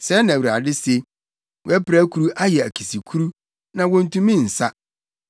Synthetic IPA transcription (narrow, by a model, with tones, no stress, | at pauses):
sɛ˦nã˨a̰˨dɪ˦se˦ | wɛ˦pɾæ˦kʰu˨ɾu˦ʔa˦jɛ˨æ˨kʰi˨si˨kʰu˦ɾu˦ | nã˨wɔ̃˨n̩˨tũ˦mĩ˦n̩˨sa˦